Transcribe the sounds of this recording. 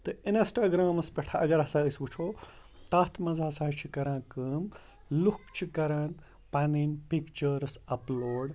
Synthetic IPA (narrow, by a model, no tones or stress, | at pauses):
t̪ɨinɐsʈaːɡɾaːmɐspʲeʈʰaɐɡɐɾɦɐsaːəsʋut͡ʃʰoː | t̪aːt̪ʰmɐzaɦɐsaːt͡ʃʰikɐɾãːkəːm | lukt͡ʃʰikɐɾaːn | pɐninpikt͡ʃɐɾɨsɐploːɖ